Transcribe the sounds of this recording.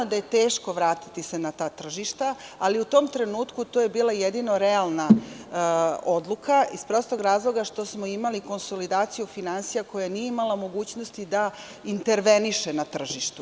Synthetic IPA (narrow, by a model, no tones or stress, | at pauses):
od̪aje̞t̪e̞ːʃko̞ʋɾaːt̪i̥t̪ise̞nat̪aːt̪r̩ʒiʃt̪aaliut̪o̞ːmt̪ɾe̞nuːt̪kut̪oje̞biːlˠajed̪ino̞ɾealˠna | o̞d̪lukʰaispɾo̞st̪oɡɾaːzlˠo̞ɡaʃt̪o̞smo̞imaliko̞nso̞lid̪aːt̪sijufinansijako̞jajnijeimalˠamo̞ɡuːt͡ɕno̞st̪id̪a | int̪e̞ɾʋe̞niʃenat̪r̩ʒiʃt̪u